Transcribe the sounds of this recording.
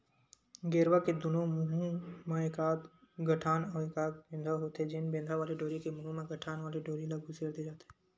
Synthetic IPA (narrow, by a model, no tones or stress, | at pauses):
ɡeːɾwaked̪ʊnomʊɦĩmãekaːb̪ɡʱəʈʰaːnɔːekaːbẽːnd̪ʱaɦoːt̪ɛd͡ʒɪnbẽnd̪ʱaʋaːleɖoːɾikemʊɦɪ̃mẽɡʱəʈʰaːnʋaːleɖoːɾilaɡuseːɾd̪ed͡ʒaːt̪ɦɛː